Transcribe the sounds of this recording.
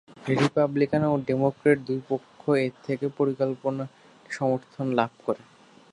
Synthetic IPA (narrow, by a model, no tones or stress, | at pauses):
ɾipablikanoɖemokɾeʈ̚d̪ujpokʰːoet̪ʰekepoɾikolpona | ʃɔmoɾt̪ʰonlab̚ʱkoɾe